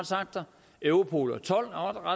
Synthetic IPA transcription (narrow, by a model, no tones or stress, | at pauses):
dsɑ̈ɡ̥̚d̥ɐ | øʊʁopʰo̝̰ːlɐt͡sʰɒ̽l̰ɒd̥ʁɑ